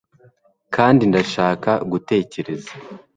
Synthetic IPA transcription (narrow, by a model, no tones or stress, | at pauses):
kʰaːndindaʃaːkaɡute̞ːce̞ɾe̞zḁ